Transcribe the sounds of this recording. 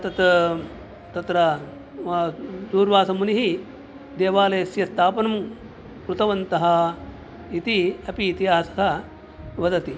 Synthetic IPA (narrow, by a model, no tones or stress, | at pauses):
t̪ɐt̪ | t̪ɐt̪ɾɐ | d̪uːɾʋaːsɐmuniɦi | d̪eːʋaːlɐjɐsjɐst̪ʰaːpɐnɐm | kɾut̪ɐʋɐnt̪ɐɦɐ̆ | it̪iɐpiːt̪iaːsɐ̥kɐ | ʋɐd̪ɐt̪i